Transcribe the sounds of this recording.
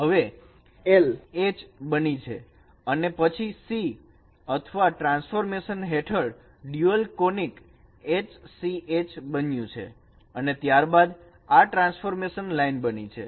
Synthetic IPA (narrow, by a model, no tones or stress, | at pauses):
ɦəʋe | elet͡ʃbənit͡ʃʰḛ | ənepət͡ʃʰisi | ət̪ʰəʋaʈɾãnsfoɾmeʃənɦeʈʰəɭ | ɖjuəlkonik | et͡ʃsiʔet͡ʃbənjũt͡ʃʰḛ | ənet̪jaɾbad̪ | aʈɾãnsfoɾmeʃənlainbənit͡ʃʰḛ